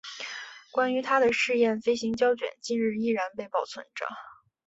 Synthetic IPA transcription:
kwa˥ny˧˥t̪ʰa˥d̪ə˨ʂɻ̩˥˧jɛ˥˩nfe˥ɪɕi˧˥ŋt͡ɕjɑ˥ʊt͡ɕɥɛ̰˨˩nt͡ɕi˥˧ŋɻɻ̩˥˧i˥˩ɻa˧˥npe˥˧ɪpɑ˥˩ʊt͡sʰwə̰˧˥nʈ͡ʂə̰˧˩

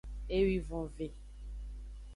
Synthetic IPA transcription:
e˦wi˦vɔ̃˨ve˨

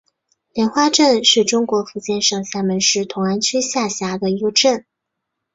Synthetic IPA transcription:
ljɛ˧˥nxwa˥ʈ͡ʂə˥˧nʂɻ̩˥˩ʈ͡ʂʊ˥ŋkwɔ˧˥fu˧˥t͡ɕjɛ˥˧nʂɤ˥˩ŋɕja˥˩mə˧˥nʂɻ̩˥˩t̪ʰʊ˧˥ŋa˥nt͡ɕʰy˥ɕja˥˩ɕja˧˥d̪ə˧i˧˥ə˧ʈ͡ʂə˥˩n

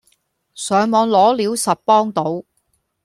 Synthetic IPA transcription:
sœː˨˧ŋmɔː˨˧ŋlɔː˨˥liː˨˧˥wsɐ˨t̚pɔː˥ŋt̪o˨˥w

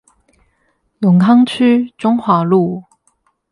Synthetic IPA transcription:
lʊ˨˩ŋkʰɑ˥ŋt͡ɕʰy˥ʈ͡ʂʊ˥ŋxwa˨˥˦lu˥˩

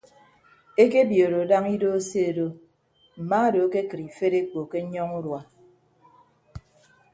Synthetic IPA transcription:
e˦ke˦bjo˨ɾo˨da˦ŋi˦do˦o˦se˦e˨do˦ | m̩˨ma˦˨do˨˦ke˦kɨ˨ɾi˨fe˦ɾe˦k͡po˨ke˦ɲɔ˦ŋu˦ɾwa˨

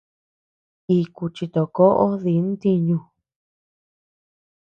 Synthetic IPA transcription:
i˧ku˧t͡ʃi˧t̪o˨ko˦ʔo˦ði˨˦n˦t̪i˧ɲũ˧

